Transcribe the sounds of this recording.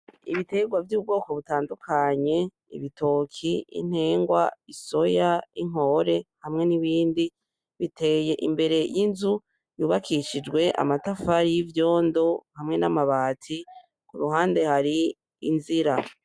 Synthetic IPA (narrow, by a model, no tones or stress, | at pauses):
ḭβite̞ɡwavjuːb̚ɡo̞ːko̞βutaːndukʰaɲe̞ | ḭβitʰo̞ːkʰiḭn̥he̞ːŋɡwaiso̞jaiŋ̥o̞ɾe̞hamŋe̞niβiːndi | βitʰe̞je̞ʔimbe̞ɾe̞jinzu | juːβakʰiʃid͡ʒɡwe̞ʔa̰matafaɾijivjo̞ːndo̞hamŋe̞namaβaːtʰi | kuɾuɦaːnde̞haɾiː | nziɾa